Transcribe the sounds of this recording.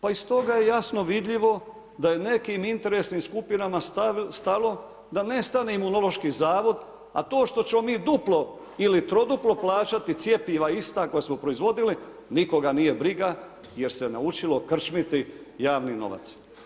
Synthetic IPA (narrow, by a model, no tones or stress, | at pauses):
paist̪o̞ɡaje̞jasno̞ʋid̪ʎiʋo̞ | d̪aje̞ne̞kimint̪e̞ɾe̞sniːmskupinamasst̪alo̞ | d̪ane̞st̪aneimunolo̞ʃkiːzaːʋo̞d̪ | a̰t̪o̞ːʃt̪o̞t͡ɕe̞mo̞miːd̪uplo̞ | ilit̪ɾo̞d̪uplo̞plˠaːt͡ʃat̪it̪sje̞piʋaist̪ako̞jesmo̞pɾo̞izʋo̞d̪ili | niko̞ɡanije̞bɾiɡa | je̞ɾse̞na̰ut͡ʃilo̞kr̩t͡ʃmit̪i | jaːʋnino̞̰ʋa̰t̪s